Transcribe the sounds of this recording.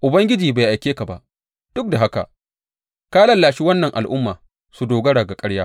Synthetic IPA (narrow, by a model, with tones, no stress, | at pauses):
ʔʊ˨bɐ˦ŋɡʲɪ˦d͡ʒiː˨baː˨ʔa˨jkʲeː˦ka˨ba̰˨ʔ | d̥ʊ˦k̚da˨ɦa˦ka̰˨ | kaː˦lɐ˦nlaː˨ʃi˦wɐ˦nːɐ˨ŋʔa̰˨lʔʊ˦mːaː˨ | su˨doː˨ɡɐ˦ɽa˨ɡa˨kʼɐ˦ɽjaː˦